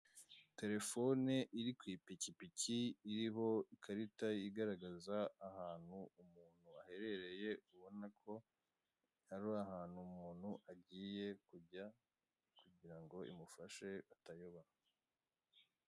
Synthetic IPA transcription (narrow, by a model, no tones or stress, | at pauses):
te̞ɾe̞fo̞neʔiɾikwiːpicipiciːɾiɦo̞ikʰaɾitajiɡaɾaɡazaːhaːnhuumuːn̥huahe̞ɾe̞ɾe̞je̞uβo̞nakʰo̞ | aɾoahaːn̥humuːn̤̥huʔaɟiːje̞kuɟa | kuɟiɾaŋɡo̞ḭmufaʃe̞atajoβa